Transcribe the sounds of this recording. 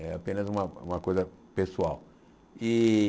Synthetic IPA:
ɛapẽnɐzũmɐũmɐkojzɐpesuaw | i

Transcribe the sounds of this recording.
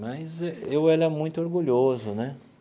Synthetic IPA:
mɐjzɛewɛlɐmũj̃t̪ʊoɾɡuʎozʊnɛ

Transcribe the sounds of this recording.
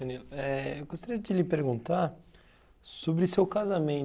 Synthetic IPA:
ẽniɛewɡost̪aɾiɐd͡ʒɪlɪpeɾɡũnt̪aɾ | sobɾɪsewkazamẽ

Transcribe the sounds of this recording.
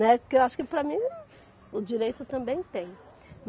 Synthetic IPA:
nɛʊkewaʃʊ̥kɪpɾɐmĩ | ʊd͡ʒiɾejt̪ʊt̪ɐ̃mbẽj̃t̪ẽj̃ | m

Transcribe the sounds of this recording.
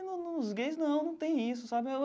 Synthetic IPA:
nunʊ̃zɡejznɐ̃w̃nɐ̃w̃t̪ẽj̃is̬ʊsabɪe

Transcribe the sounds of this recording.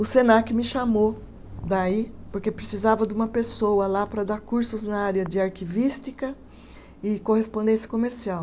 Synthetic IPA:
ʊsenakʊmɪʃamo | d̪aipoɾkepɾesizavɐd̪ɪũmɐpesowɐlapɾɐd̪aɾkuɾsʊznaaɾjɐd͡ʒɪaɾkivist͡ʃikɐ | ɪkohespõnd̪ẽsjɐ̥komeɾsiaw

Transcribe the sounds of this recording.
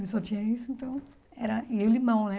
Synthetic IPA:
sɔt͡ʃĩɲɐisʊẽnt̪ɐ̃w̃ | ɛɾɐiulimɐ̃w̃nɛ

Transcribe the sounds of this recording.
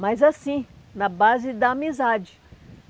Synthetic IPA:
majzasĩ | nɐbazɪd̪ɐːmizad͡ʒɪ

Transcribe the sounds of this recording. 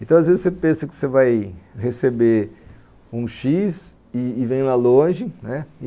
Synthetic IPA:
ẽt̪ɐ̃w̃azvezɪsepẽsɐkɪ̥sevajhesebe | ũʃis | ɪːvẽj̃lalõʒɪnɛɪ

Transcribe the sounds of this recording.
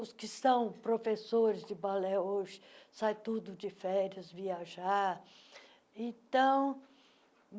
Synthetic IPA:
ʊskɪst̪ɐ̃w̃pɾofesoɾɪzd͡ʒɪbalɛoʒɪ̥sajt̪ud̪ʊd͡ʒɪfɛɾjɐzviaʒaɾ | ẽt̪ɐ̃w̃

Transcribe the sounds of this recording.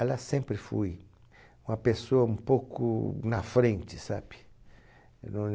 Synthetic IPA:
ɛlasẽmpɾɪfṵj | ũmɐpesoɐũmpowkʊ̰nɐfɾẽnt͡ʃɪ̥sab̥ɪ̥ | ñ

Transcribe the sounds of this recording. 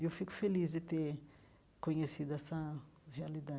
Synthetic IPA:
ewfikʊ̥felizd͡ʒ̪ɪt̪e | koɲesid̪ʊɛsɐɦealid̪a

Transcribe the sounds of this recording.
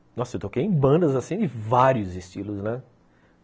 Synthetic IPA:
nɔsʊewt̪okejẽbɐ̃nd̪ɐzasĩd͡ʒɪvaɾiʊzɪst͡ʃilʊznɛ

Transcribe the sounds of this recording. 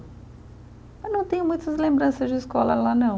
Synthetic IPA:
mɐnɐ̃w̃t̪ẽj̃ʊmũj̃t̪ɐzlẽmbɾɐ̃sɐzd͡ʒɪiskɔlɐ̰lanɐ̃w̃

